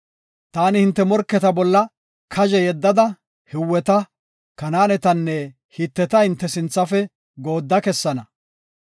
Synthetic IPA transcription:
t̪aːnɪhɪnt̪ːɛmɔɾkːɛt̪ɐbɔlːɐ | kʰɐʒɛjɛd̪ːɐd̪ɐ | hɪwːɛt̪ɐ | kɐnaːnɛt̪ɐnːɛ | hit̪ːɛt̪ɐhɪnt̪ːɛsɪnt͡sːɐfɛ | ɡo̞ːd̪ːɐkɛsːɐnɐ

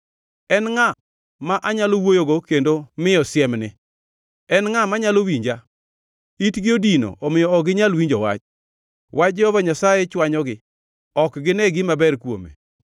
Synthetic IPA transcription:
ɛnŋa | maʔaɲalowojoɡokendomɪɔsjɛmnɪ | ɛnŋamaɲalowiɲd͡ʒa | itɡɪodino̰ʔɔmɪjɔːɡɪɲalwiɲd͡ʒɔwa̰t͡ʃ | wʔad͡ʒɛhɔvaɲasajɛt͡ʃwaɲɔɡɪ | ɔkɡɪnɛɡɪmabɛɾkwo̰mḛ

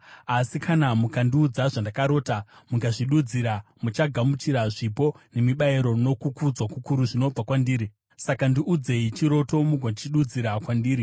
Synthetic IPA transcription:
asikʰanamukandiud͡zaʐandakaɾo̞ːtamuɡaʐiɗud͡ziɾamut͡ʃaɡʱamutiɾaʐipo̞ne̞miɓaeɾo̞no̞kukud͡zwakukuɾuʐino̞b͡vakwandiːɾi | sakandiʔud͡ze̞it͡ʃiɾo̞to̞muɡʱondit͡ʃiɗud͡ziɾakwandiːɾi

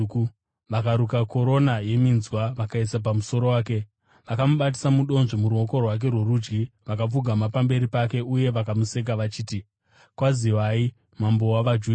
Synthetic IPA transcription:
ʋakaɾukako̞ɾo̞naje̞minzwaʋakaisap̬amuso̞ɾo̞waːke̞ | ʋakamuɓat̬i̥samuɗo̞nʐomuɾuo̞ko̞rwak̬e̞rwe̞rud͡ʒɡiʋakap͡fuɡʱamapambe̞ɾipake̞uje̞ʋakamuse̞k̬aʋat͡ʃiːti | kwaziwai | mambo̞waʋad͡ʒu

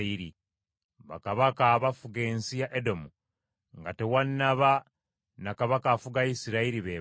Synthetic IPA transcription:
iɾi | βa̰kaβakaːβafuɡe̞ːnsijaʔedo̞mu | ŋɡate̞wanːaβa | nakaβakaːfuɡajisiɾaiɾiβe

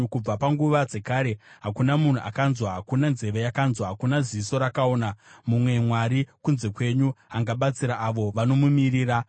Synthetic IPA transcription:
kub͡vapaŋɡuʋad͡ze̞kaːɾe̞ɦakunamun̤uʔa̰kanzwaɦakunanze̞ʋe̞jakanzwaɦakunaziiso̞ɾakao̞ːnamumwe̞mwaɾikunze̞kwe̞ɲuaŋɡaɓat͡siɾaʔːʋo̞ʋanomumiriːra

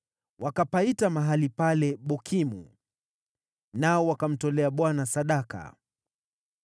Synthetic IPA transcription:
wʔakapaitamaɦalipalɛɓɔkʰimṵ | naɔwakam̩tɔlɛaɓwanasaɗaka̰

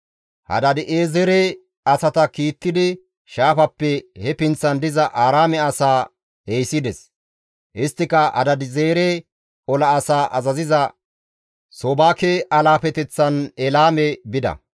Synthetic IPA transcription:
hɐ̰d̪ɐd̪ɪʔeːzɛɾe | ɐsɐt̪ɐkiːt̪ːɪd̪ɪ | ʃaːfɐpːɛhɛpɪnt͡sːɐnd̪ɪzɐʔaːɾaːmɛɐsaː | ejsɪd̪ɛs | ʔɪst̪ːɪkɐʔɐ̰d̪ɐd̪ɪzeːɾe | ɔlɐːsaːʔɐzɐzɪzɐ | soːbaːkɛɐlaːfɛt̪ɛt͡sːɐnɛlaːmɛbɪd̪ɐ̰

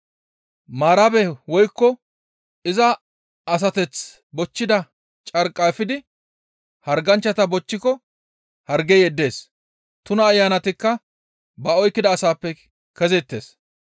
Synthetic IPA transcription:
maːɾɐbɛwɔjkːɔ | ɪzɐ | ɐs̬ɐt̪ɛt͡s | bɔt͡ʃːɪd̪ɐ | t͡ʃʼɐɾkʼːafɪd̪ɪ | hɐɾɡɐnt͡ʃːɐt̪ɐbɔt͡ʃːɪkɔ | hɐɾɡɛjɛd̪ːe̞ːs | t̪ʊnɐːjːaːnɐt̪ɪkːɐ | bɐɔjkːɪd̪ɐːsaːpːɛ | kɛzɛt̪ːe̞̰ːs

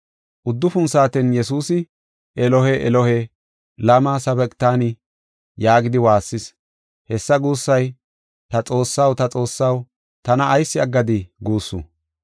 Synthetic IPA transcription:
ʔʊd̪ːʊfʊnsaːt̪ɛnjɛsuːsɪ | ʔɛlɔhɛʔɛlɔhɛ | lɐmaːsɐbɛkʼt̪aːnɪ | jaːɡɪd̪ɪwaːsːɪs | hɛsːɐɡuːsːɐj | t̪ɐt͡sʼo̞ːsːɐwt̪ɐt͡sʼo̞ːsːɐw | t̪ɐnɐʔːjsːɪɐɡːɐd̪ɪɡuːsːʊ̰

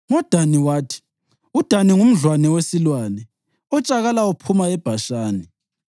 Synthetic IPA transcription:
ŋɔd̥ʱaniwaːtʰi̥ | ud̥ʱaniŋum̩ɮwanɛwesilwaːnɛ | ɔt͡ʃʼaɣalaupʰumaɛb̥ʱaʃaːni

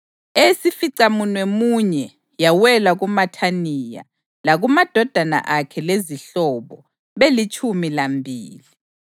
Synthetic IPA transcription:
esifiǀamunwɛmuɲɛ | jawɛlaɣumatʰanija̰ | laɣumad̥ʱɔd̥ʱana̰ʔakʰɛleziɬɔβɔ | βelit͡ʃʼumilambʱiːli

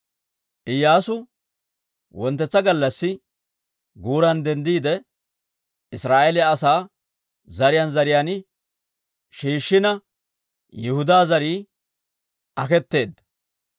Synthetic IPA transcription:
ʔɪjːaːsʊ | wɔnt̪ːɛt͡sːɐɡɐlːɐsːɪ | ɡuːɾɐnd̪ɛnd̪iːd̪ɛ | ʔɪsɾaːʔɛlɪɐsaː | zɐɾɪjanzɐɾɪjan | ʃiːʃːɪnɐ | jɪhʊd̪aːzɐɾiː | ʔɐkɛt̪ːe̞ːd̪ːɐ

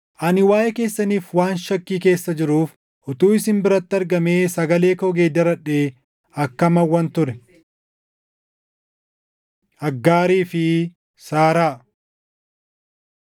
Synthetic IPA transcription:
ʔɐnɪwaːʔɛke̞ːsːɐniːfwaːnʃɐkːiːke̞ːsːɐd͡ʒɪɾuːf | ʔɔt̪uːɪsɪmbɪɾɐt̪ːɪɐɾɡɐmeːsɐɡɐle̞ːkɔɡeːd̪ɐɾɐᶑeː | ɐkːɐmɐwːɐnt̪ʊɾɛ | ʔɐɡːaːɾiːfɪ | saːɾaː

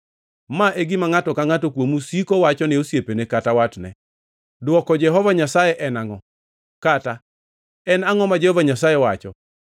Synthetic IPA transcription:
maʔeɡɪmaŋatɔkaŋatokwomusikɔwat͡ʃɔnɪosjepenekatawatnɛ̰ | dwɔkɔd͡ʒɛɦɔvaɲasajɛʔɛnaŋɔ | kata | ɛnaŋɔmad͡ʒɛhɔvaɲasajɛwat͡ʃɔ̰

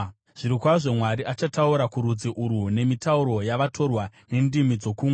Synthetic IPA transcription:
ʐ̥iɾikwaʐo̞mwaɾiʔat͡ʃatauɾakuɾud͡ziʔuɾune̞mitauɾo̞jaʋatʰo̞rwane̞ndimid͡zo̞kuːmwe

